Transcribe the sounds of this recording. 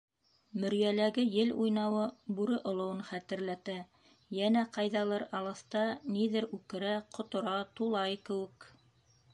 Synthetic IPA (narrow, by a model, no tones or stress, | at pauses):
mɵ̆ɾjælæɡɘjɘlujnɑwɤbʉɾɘʔŏlˠŏwɤnχæt̪ɘ̆ɾlæt̪æ | jænæqɑjðɑlˠɤɾɑlˠɤ̆θt̪ɑniðɘɾʉkɘ̆ɾæqʰŏt̪ŏɾɑt̪ulˠɑjkɘ̆wɘ̆k